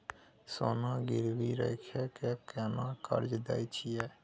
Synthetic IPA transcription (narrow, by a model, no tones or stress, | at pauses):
soːnaɡiɾbiɾə̰ɪkʰekekɛnakə̰ɾd͡ʒd̪ɛ̰jt͡ʃʰijɛː